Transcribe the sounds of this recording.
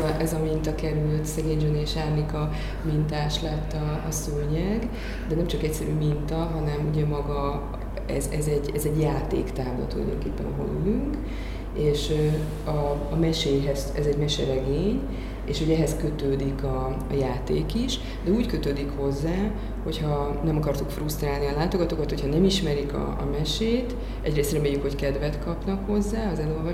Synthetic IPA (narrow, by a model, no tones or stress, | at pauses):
ʔɛzɒmint̪ɒkɛɾylt̪sɛɡeːɲd͡ʒoneːʃaːrnikɒ | mint̪aːʃlɛt̪ːɒːsøɲɛɡ | d̪ɛnɛmt͡ʃɒkɛcsɛɾyːmint̪ɒɦɒnɛmuɟɛmɒɡɒ | ɛ̰zɛzɛɟɛzɛɟjaːt̪ḛːkt̪aːvlo̰t̪ulɒ̰jd̪o̞̰ŋkeːpːɛ̰nɒɦo̰nylyŋk | eːʃ | ɒː | mɛʃeːɦɛzɛzɛɟmɛʃɛɾɛɡeːɲ | eːʃho̞ɟɛɦɛskø̞t̪øːd̪ikɒː | jaːt̪eːkiʃ | d̪ɛuːckø̞t̪øːd̪ikho̞zːaː | ho̞chɒnɛmɒkɒrt̪ukfrust̪raːlniɒlaːt̪o̞ɡɒt̪okɒt̪ho̞cʰhɒnɛmiʃmɛɾikɒ̰ɒ̰mɛʃeːt̪ | ʔɛɟreːst̪rɛmeːjːykho̞ckɛd̪vɛt̪kɒpnɒkho̞zːaːɒzɛlo̞lvɒ